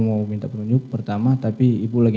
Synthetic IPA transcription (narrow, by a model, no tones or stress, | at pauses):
mawmint̪apənuɲd͡ʒʊk̚pərt̪amat̪apiːbulaɡi